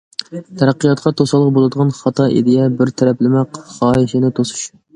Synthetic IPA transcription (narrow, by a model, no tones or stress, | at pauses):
t̪ʰɛɾæqːijɑt̪̚qʰɑt̪ʰosɑlˠːəq̚bolˠɨd̪əʁɑnχɑt̪ʰɑʔḭd̪ɪjɛbɪɾt̪ʰɛɾɛplɪmɛqχɑːɪʃɪnɪt̪ʰosu̥ʃ